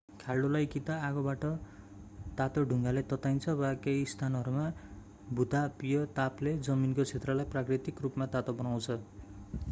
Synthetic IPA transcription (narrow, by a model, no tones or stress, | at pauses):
kʰalɖolajkit̪aaɡʌbaʈʌ | t̪at̪oɖʱuŋɡalet̪ʌt̪ajnt͡sʰʌbakejst̪ʰanʌɾuma | bʱut̪apijʌt̪apled͡zʌminkot͡sʰet̪rʌlajprakrit̪ikrupmat̪at̪obʌnaw̃t͡sʰʌ